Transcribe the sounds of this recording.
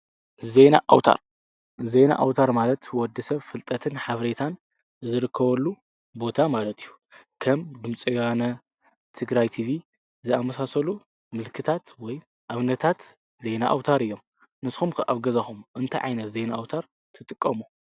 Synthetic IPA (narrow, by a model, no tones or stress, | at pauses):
zena̰ʔa̰wt̪ʰa̰ɾ | ze̞na̰ʔawt̪ʰaɾmalɐt̪wɔd̪ɨsɐβfɨlt̪ʼɐt̪ʰɨnħaβɾet̪ʰan | zɨɾɨkʰːɐβɐlːu | bo̞t̪ʰamalɐt̪ʰijːu | kʰɐmd̪ɨmt͡sʼiwanɐ | t̪ʰɨɡɾajt̪ʰiβi | zɨamɐsasɐlu | mɨlkʰɨt̪ʰat̪wɔj | ʔaβnɐt̪ʰat̪ | ze̞naʔa̰wt̪ʰaɾɨjːo̞m | nɨsxumkʰɨʔa̰βɡɐzɐxumʔɨnt̪ʰajʕa̰jnɐt̪ze̞naʔawt̪ʰaɾ | t̪ʰɨt̪ʼɨkʼːɐmu